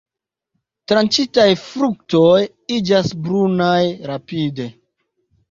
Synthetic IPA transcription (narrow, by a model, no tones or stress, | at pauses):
tɾant͡ʃitajfɾuk̚toj | id͡ʒasbɾunajɾapide̞